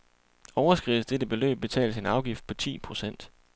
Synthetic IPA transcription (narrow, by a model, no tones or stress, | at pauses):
ɒʊɐsɡ̥ʁiʊð̩ˠsd̥edəb̥e̝lø̰ːb̥̚b̥e̝t͡sʰɛ̰ːlse̝nɑ̈ʊɡ̥ifd̥̚pʰɒ̽t͡sʰḭːpʰʁo̝sen̰d̥